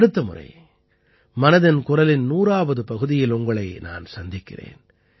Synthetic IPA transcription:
ɽɯt̪ːɐmʊ̰rɐ̰ɪ | mɐnɐðɪnkʊrɐlɪnnuːraːʋɐðɯpɐɣɯðɪjɪlʊŋɡɐɭɐɪna̰ːnsɐnd̪ɪkːɪ̰rḛːn

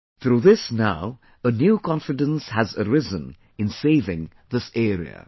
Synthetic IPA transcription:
θʰɾuðɪsnaʊ | ənjuːkʰɑ̃nfɨdə̃nshæzəɾɪzə̃n | ɨ̃nseɪvɪ̃ŋ | ðɪsɛːɾḭə̰

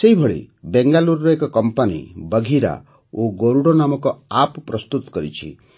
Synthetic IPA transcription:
seɦibʱɔɭḭbeŋɡaluɾɾɔekɔkɔmpanḭbəɡʱiɾa̰ | oɡoɾuɽɔnamɔkɔapɔpɾɔst̪ut̪ɔ̥kɔɾḭt͡ʃʰḭ

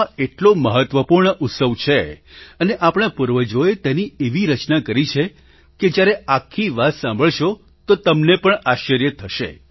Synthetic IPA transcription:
eʈloməɦət̪ʋəpuɾɳəʔʊt̪səʋt͡ʃʰeəneʔapɽ̃apuɾʋəd͡ʒoet̪ɛnieʋiɾət͡ʃnakəɾit͡ʃʰe | ked͡ʒjaɾeakʰːiʋat̪sãmbʱəɭʃo | t̪ot̪əmnepəɳaʃəɾjət̪ʰəʃḛ

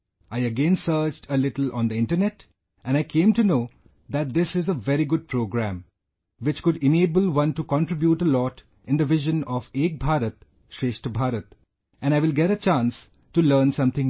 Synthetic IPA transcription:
aɪəɡẽnsəɾd͡ʒdəlɪʈəl̩ɔ̰̃nd̪əɪ̃nʈənɛʈ | ʔɛ̃naɪkʰẽːmʈunoː | d̪æʈ̚d̪ɪsɪzəʋɛɾiɡʊɖ̚pɾoːɡɾæ̃m | ʋɪt͡ʃkʊɖɪneːbəlwʌ̃nʈukɔ̃nʈɾɪbjuːʈəlɔːʈ | ɪ̃nd̪əʋɪʒə̃nɔʋeːk̚bʱaːɾət̪̚ | ʃeːʃʈəbʱaːɾət̪ | ʔɛ̃ñaɪʋɪlɡɛɾət͡ʃãːns | ʈuləːɾnsʌ̃mt̪ʰɪ̃ŋ

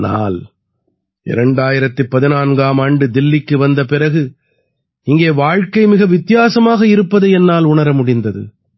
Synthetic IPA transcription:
na̰ːl | ʔɪ̰ɾɐɳɖaːjɪɾɐt̪ːɯpːɐðɪnaːnɡaːmaːɳɖɯd̪ɪlːɪkːɯʋɐnd̪ɐpɪɾɐɣɯ | ɪŋɡeːʋaːɻkɐɪmɪɣɐʋɪt̪ːɪjaːsɐmaːɣɐɪɾɯpːɐðɐɛnːaːlʊɳɐɾɐmʊɽɪnd̪ɐðɯ̰

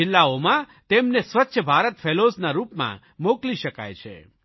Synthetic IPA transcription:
ɪlːaomã | t̪emnesʋətːʃʰəbʱaɾət̪fʰeloznaɾupmã̰ | mokliʃəka̰jt͡ʃʰḛ

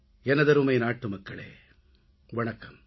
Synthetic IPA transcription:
ɛnːɐd̪ɐɾuːmɐjnaːʈːumɐkːɐɭḛː | ʋɔɳɐkːɐm

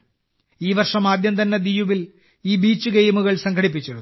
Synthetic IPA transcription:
iːʋɐrʂɐmaːd̪ʱjɐmd̪ɐnːɐd̪ijuʋil | iːbiːt͡ɕːuɡejmuɣɐɭsɐŋɡʰʱɐɽip̬ːit͡ɕːeɾu

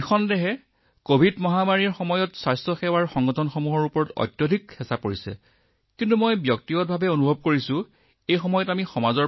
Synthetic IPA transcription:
xɔndɛɦɛ | kobʱidmɔɦamaɹiɹxɔmɔjɔtsajstɹɔxɛwaɹxɔŋɡɔtʰɔnxomuɦɔɹupɔɹɔtɔ̰jtjodʱikhɛsapoɹisɛ̰ | kintumojbjɔk̚tiɡɔt̚bʱabɛonubʱɔb̚koɹisʊ̃ | ejxɔmɔjɔtamixɔmazɔ

